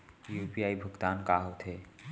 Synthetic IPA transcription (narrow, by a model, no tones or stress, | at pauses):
juːpiaːibʱʊɡt̪aːnkaɦot̪ʰeː